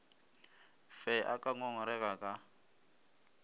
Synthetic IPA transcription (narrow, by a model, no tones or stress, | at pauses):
fɛʔakʼaŋɔŋɔɾɛɣʼakʼa